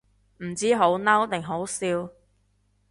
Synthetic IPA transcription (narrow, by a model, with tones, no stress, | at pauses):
m̩˨˩t͡siː˥ɦo˨˥wnɐ˥wt̪ɪ˨˩ŋɦo˨˥wsiː˧w